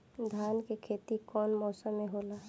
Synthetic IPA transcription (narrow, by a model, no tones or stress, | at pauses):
d̪ʱaːnkekʰeːt̪ikɔːnmɔːsəmːeɦoːla